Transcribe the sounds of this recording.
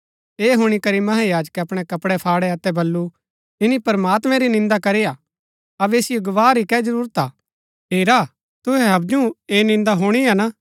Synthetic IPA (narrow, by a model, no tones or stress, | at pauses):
eːɦʊɽ̃ikɐɾimɐɦajaːd͡ʒkɐpɽ̃ɛkɐpɽɛpʰaːɽɛɐt̪ɛbɐlːu | ɪnipɐɾmaːt̪mɛ̃ɾinɪ̃nd̪akɐɾija | ɐbeːsɪjoɡɐʋaːɾikɛd͡ʒɐɾuːɾət̪aː | ɦeːɾa | t̪ʊɦɛɦɐb̚d͡ʒũeːnɪ̃nd̪aɦuɽ̃iana